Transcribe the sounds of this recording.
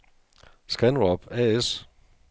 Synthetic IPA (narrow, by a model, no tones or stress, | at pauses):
sɡ̥ænʁɒb̥æes